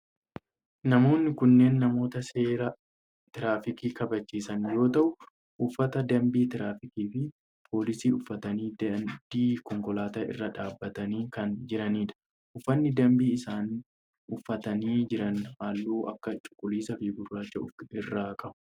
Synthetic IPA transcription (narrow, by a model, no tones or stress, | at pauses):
nɐmo̞ːnːɪkʊnːe̞ːnːɐmo̞ːt̪ɐse̞ːɾɐ | t̪ɪɾaːfɪkiːkɐbɐt͡ʃːiːsɐnjo̞ːt̪ɐʔʊ | ʔʊfːɐt̪ɐd̪ɐmbiːt̪ɪɾaːfɪkiːfɪ | pʰo̞ːlɪsiːʊfːɐt̪ɐniːb̥iːkɔŋkɔlaːt̪aːʔɪ̰rːɐᶑaːbːɐt̪ɐniːkɐnd͡ʒɪɾɐniːᶑ̪ɐ̥ | ʔʊfːɐnːɪd̪ɐmbiːɪsaːn | ʊfːɐt̪ɐniːd͡ʒɪɾɐnhaːlːuːʔɐkːɐt͡ʃʼʊ̥kʼːʊliːsɐfibʊrːaːt͡ʃːɐʊfɪrːaːkʼɐʔʊ̥